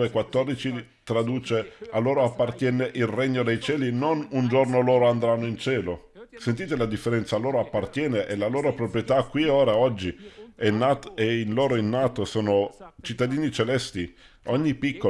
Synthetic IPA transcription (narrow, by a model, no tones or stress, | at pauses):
ekwat̪ːɔrd̪it͡ʃi | t̪ɾad̪uːt͡ʃealːoːɾoapːart̪jɛːneʔilreɲːod̪ejt͡ʃɛːlinonund͡ʒornoloːɾoand̪ɾanːoint͡ʃɛːlo | sent̪iːt̪elad̪ifːeɾɛnt̪salːoːɾoapːart̪jɛːneʔelaloːɾopɾopɾjet̪akːwioːɾaɔd͡ʒːiɛnːat̪einloːɾoinːaːt̪osoːnot͡ʃit̪ːad̪iːnit͡ʃelɛst̪i | oɲːipːikːo